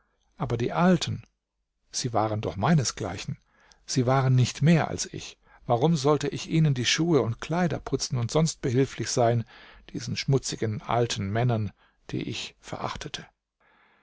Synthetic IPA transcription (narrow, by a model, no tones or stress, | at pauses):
ʔaːbɐdiːʔaltʰn̩ | z̥iːvaːʁəndɔχmaɪnəsɡ̥la̰ɪçn̩ | z̥iːvaːʁənːɪçtmeːɐʔa̰lsɪ̰ç | vaʁʊmzɔltəʔɪçʔiːnəndiːʃuːəʊntkʰl̥aɪdɐ̰pʰʊt͡sn̩ʊntz̥ɔnst̚b̥əhɪlflɪçz̥aɪnd̥ḭːzn̩ʃmʊt͡sɪɡənʔa̰ltʰn̩mɛnɐn | d̥ḭːʔɪ̰çfɛɐʔa̰χtʰətʰə